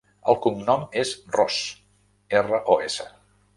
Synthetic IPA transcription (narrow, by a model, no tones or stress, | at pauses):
ə̰lˠkumnɔmezrɔs | erəʔoesə